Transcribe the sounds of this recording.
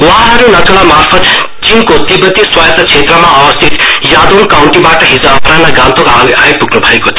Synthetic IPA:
waɦãɦʌɾunʌtʰolamarpʰʌt̪ | t͡sinkot̪ibʌt̪iswajt̪ʌt͡sʰet̪rʌmaʔʌbʌst̪ʰit̪jad̪onkawɳʈibaʈʌɦid͡zʌːpɾanlajɡãnt̪ʰokaajpuɡnubʱʌekot̪ʰ

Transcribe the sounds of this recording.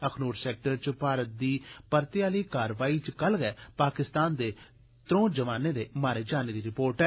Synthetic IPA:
əkʰnuːɾsɛːk̚ʈəɾt͡ʃpaːɾət̪̚d̪iːpəɾt̪ɪjaːliːkaːɾʋaːiːt͡ʃkəlɡɛːpaːkɪst̪aːnd̪eː | t̪ɾõːd͡ʒəʋaːneːd̪eːmaːɾeːd͡ʒaːneːd̪iːɾɪpoːɾʈɛː

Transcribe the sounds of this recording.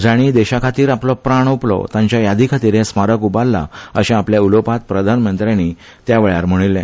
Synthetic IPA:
d͡zaɽ̃id̪ɛɕakʰat̪iːɾaplɔpɾaɳ̃oplɔ̰t̪ãɲt͡ɕjajad̪ʱikʰat̪iːɾɦɛsmaɾəkubalːa̰əɕẽapljaulopat̪̚pɾəd̪ʱanmənt̪ɾani | t̪jaʋeɭjaɾm̤əɽ̃ilːɛ̃

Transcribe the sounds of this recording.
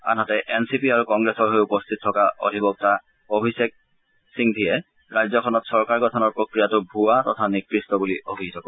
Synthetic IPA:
a̰nɦatɛʔɛnsipiaɹukɔŋɡɹesɔɹɦojupɔstʰit̚tʰːɔkaʔo̰dʱibɔk̚ta | obʱisek̚ | siŋdʱijɛ | ɹajzɔkʰɔnɔtsɔɹkaɹɡɔtʰɔnɔɹpɹokɹijatʊbʱuatɔtʰanikɹistɔbuliʔobʱitʰɔkɔ

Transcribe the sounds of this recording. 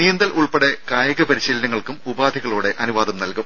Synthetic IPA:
nijɐnd̪ɐlʔuɭpeɽekaːjɐɣɐpɐɾiɕiːlɐnɐŋːɐɭkumubaːd̪ʱiɣɐɭuːɽe̞ʔɐnuʋaːd̪ɐmnɐlkum

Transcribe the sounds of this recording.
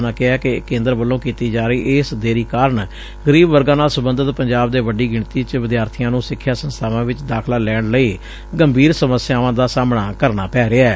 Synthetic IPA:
naːkɪɛːkekːẽːnd̪əɾʋəlːõːkiːt̪iːd͡ʒaːɾəiːʔɪsd̪eːɾiːkaːɾəɳ | ɡəɾiːbʋəɾɡãːnaːlsʊbənd̪ət̪pəɲd͡ʒaːbd̪eːʋəɖiːɡɪɳt̪iːt͡ʃʋɪd̪jaːɾt̪ʰijãːnũːsɪkʰːjaːsənst̪ʰaːʋãːʋɪt͡ʃd̪aːkʰlaːlɛːɳləiː | ɡəmbʱiːɾsəməsːɪjaːʋãːd̪aːsaːmɳaːkəɾnaːpɛːɾeɛː

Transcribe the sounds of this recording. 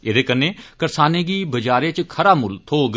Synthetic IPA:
eːd̪eːkənːẽːkəɾsaːneːɡiːbəd͡ʒaːɾeːt͡ʃkʰəɾaːmʊlt̪ʰoːɡ

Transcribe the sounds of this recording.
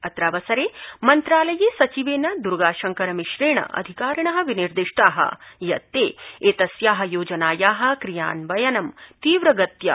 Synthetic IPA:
ɐt̪ɾaːʋɐsɐɾeːmɐnt̪ɾaːlɐjeːsɐt͡ʃiʋeːnɐd̪uɾɡaːʃɐŋkɐɾɐmiʃɾeːɳɐ̰ʔɐ̰d̪ʱikaːɾɐɳɐɦɐ̆ʋiniɾd̪iʂʈaːɦɐ̰jɐt̪ːeːeːt̪ɐsjaːɦɐ̆joːd͡ʒɐnaːjaːɦɐ̆kɾija̰ːnʋɐjɐnɐmt̪iːʋɾɐɡɐt̪jɐ̰

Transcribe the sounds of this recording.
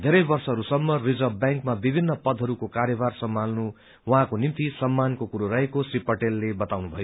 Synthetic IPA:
d̪ʱeɾʌjbʌrsʌɦʌɾusʌmːʌrid͡zʌbjaŋkmabibʱinːʌpʌd̪ʱɦʌɾukokaɾjʌbarsʌmːalnu | wʌɦãkonimt̪isʌmːankokuɾoɾʌekosripʌʈelːebʌt̪awnubʱʌjo

